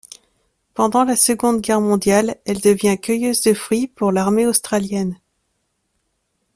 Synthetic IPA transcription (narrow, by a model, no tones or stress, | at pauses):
pɑ̃d̪ɑ̃lasəɡɔ̃d̪ɡʲɛʁmɔ̃d̪jalɛld̪əvjɛ̃kʲəjøzd̪əfχɥipuʁlaʁmeost̪χaljɛn